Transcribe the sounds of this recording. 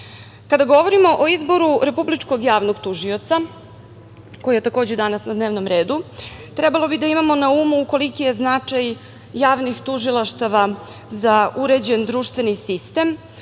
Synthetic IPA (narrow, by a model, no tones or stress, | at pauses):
kad̪aɡo̞ʋo̞ɾimo̞ʔoizbo̞ɾuɾe̞publit͡ʂko̞ɡjaːʋnoɡt̪uʒio̞t̪sa | ko̞jije̞t̪ako̞ːd͡ʑed̪anasnad̪ne̞ːʋno̞mɾe̞ːd̪ut̪ɾɛbalo̞bid̪aimamo̞naumuːko̞likije̞znat͡ʂajː | aːʋnixt̪uʒilˠaʃt̪aʋa | zauɾe̞d͡ʑe̞nd̪ɾuːʃt̪ʋe̞nisist̪e̞m